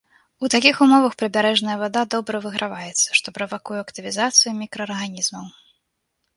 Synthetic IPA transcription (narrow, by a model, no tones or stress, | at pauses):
ut̪akʲixumɔvɐxpɾɨbʲaɾɛʐnɐjɐvad̪ad̪ɔbɾɐvɨɣɾʔavajɛt̪sːɐ̥ʂt̪ɔpɾɐvakujɛɐkt̪ɨvʲizat̪sɨjumʲikɾɐːrɣanʲizmɐw